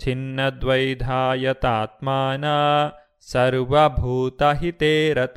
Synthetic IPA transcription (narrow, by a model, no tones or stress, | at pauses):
t͡ʃinːɐd̪ʋɐjd̪ʱaːjɐt̪aːt̪̚maːnaː | sɐɾʋɐbʱuːt̪ɐɦit̪eːɾɐt̪